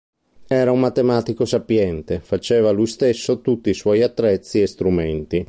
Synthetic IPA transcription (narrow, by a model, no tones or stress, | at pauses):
ɛːɾaumːat̪ːemaːt̪ikosapjɛnt̪efat͡ʃɛːvalujst̪esːot̪ut̪ːiswɔjat̪ːɾɛt̪sːiest̪ɾument̪i